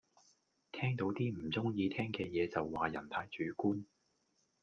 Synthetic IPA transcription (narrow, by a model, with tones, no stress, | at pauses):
t̪ʰɛː˥ŋt̪o˨˥wt̪iː˥m̩˨˩t͡sʊ˥ŋjiː˧t̪ʰɛː˥ŋkɛː˧jɛː˨˧t͡sɐ˨wːaː˨jɐ̰˨˩nt̪ʰaː˧˥jt͡ʃyː˨˥kuː˥n